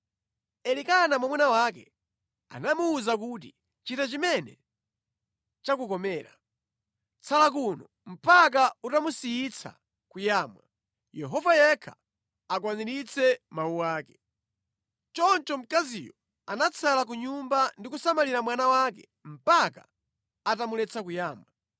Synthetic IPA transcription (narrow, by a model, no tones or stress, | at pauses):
ɛlikanamamwɛnawak̬ɛ | a̰namuːzak̬ut̬ḭ | t͡ʃitat͡ʃimɛnɛ̰ | t͡ʃakukɔmɛːɾa | t͡sʰalakunɔ | m̩pak̬autamusiit͡sʰa̰ | kujaːmwa | jɛɦɔvajɛkʰḁ̰ | ak̬waniɾit͡sɛmauwaːkɛ̥ | t͡ʃɔnt͡ʃɔm̩kazḭjɔ | anat͡sʰalak̬uɲumbandikusamaliɾamwanawak̬ɛ̰ | m̩paka̰ː | tamulɛt͡sakujaːmwa